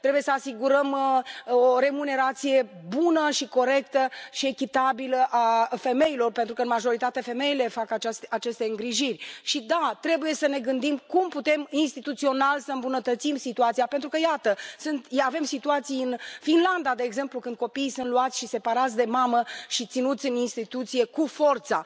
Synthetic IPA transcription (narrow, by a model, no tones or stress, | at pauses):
t̪ɾe̞buje̞səasiɡuɾəm | oɾe̞mune̞ɾat̪sije̞bunəʃiko̞ɾe̞kt̪əʃie̞kʲit̪abiləʔafe̞me̞ilo̞rpent̪ɾukəɨnmaʒo̞ɾit̪at̪e̞fe̞me̞ile̞fakat͡ʃasat͡ʃe̞st̪e̞ɨŋɡɾiʒirʲʃid̪at̪ɾe̞buje̞səne̞ɡɨnd̪imkumput̪e̞minst̪it̪ut̪sio̞nalsəɨmbunət̪ət̪simsit̪uat̪sijape̞nt̪ɾukəjat̪əsɨnt̪ave̞msit̪uat̪sijɨnfinland̪ad̪e̞ːɡze̞mplukɨnd̪̚ko̞pijsunt̪luat̪sʃise̞paɾat̪sʲd̪e̞maməʃit̪sinut̪sʲɨninst̪it̪ut̪sije̞kufo̞rt̪sa̰